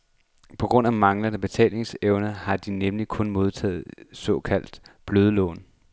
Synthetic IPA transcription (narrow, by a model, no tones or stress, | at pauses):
pʰɒ̽ɡ̥ʁɔ̽n̰æmɑ̈ŋlɐnəb̥e̝t͡sʰɛ̰ːle̝ŋseʊnɐhɑ̈d̥inemlikʰɔ̽nmo̝ð̞ˠt͡sʰɛ̰ːð̩ˠsɒ̽kʰæl̰d̥b̥løːð̞ˠlɔ̰ːn